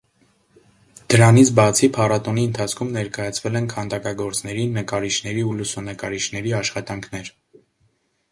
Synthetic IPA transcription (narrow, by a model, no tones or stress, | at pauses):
d̪̥əɾɑnit͡sʰbɑt͡sʰipʰɑrɑt̪ɔniənt̪ʰɑt͡sʰkʰumnɛɾkɑjɑt͡sʰvɛlɛnkʰɑnd̪ɑkɑɡɔɾt͡snɛɾinəkɑɾiʃnɛɾiulusunəkɑɾiʃnɛɾiɑʃχɑt̪ɑŋkʰnɛɾ